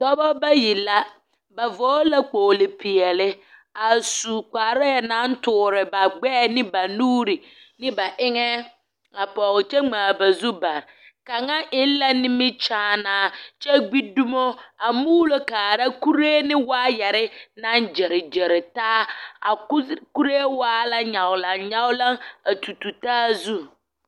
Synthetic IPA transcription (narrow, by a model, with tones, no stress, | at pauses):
dɔ˦bɔ˦ba˦ji˨la˦ | ba˨vɔː˨˦la˦k͡poː˨lɪ˨pɪ˨ɛ˨lɪ˦ | a˨su˨k͡paː˨ɾa˦jɛ˨na˦n˦tʊː˨ɾɪ˨ba˨ɡ͡bɛː˦˨nɪ˦ba˨nuː˦ɾi˨ | nɪ˦ba˨ʔɪ˦ŋɛ˦ | a˨pɔ˨ɣɪ˨t͡ʃɛ˦ŋ͡maː˨ba˨zu˦ba˨ɾɪ˨ | ka˨ŋa˦ʔɪ˦n˦la˦nɪ˦mɪ˦t͡ʃãː˨˦˨naː˨t͡ʃɛ˦ɡ͡bi˦du˦mo˦a˨muː˦lo˦kaː˨ɾa˦ku˦ɾeː˦nɪ̃˦waː˦jɛ˨ɾɪ˦nã˦nd͡ʒe˨ɾɪ˨d͡ʒe˨ɾɪ˨taː˦a̰˨˦ku˦ɾe˦waː˦la˦ɲa˨wla˨ŋɲa˦wla˦ŋa˨tʰu˨tu˨taː˦zu˦